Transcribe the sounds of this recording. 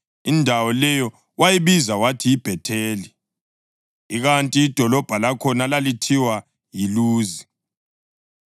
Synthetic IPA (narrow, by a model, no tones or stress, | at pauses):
indʱawɔlɛjɔ | wajiβizawatʰiːb̥ʱɛtʰeːli | iɣantʼiːd̥ʱɔlɔb̥ʱalakʰɔnalalitʰiwa | jiluːzi